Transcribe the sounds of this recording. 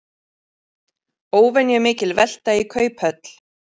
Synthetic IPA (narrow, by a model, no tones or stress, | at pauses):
oːwvɛnjʏmɪːcɪlvɛl̥t̪aikʰœːɥphœt̪l̥